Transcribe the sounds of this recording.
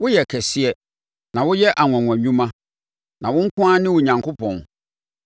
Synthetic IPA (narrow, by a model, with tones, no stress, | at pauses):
wʊ˦jɛ˨kʰɛ˨sɪ˦ɛ˦ | nã˨wʊ˦jɛ˦ʔa˨ŋʷã˨ŋã˨ɲũ˦mã˦ | nã˨wʊ̃˦ŋ̩˦kʰʊ̃˦a˦nɪ̃˦wʊ˨ɲã˨ŋkʰo˦pʰɔ̃˨n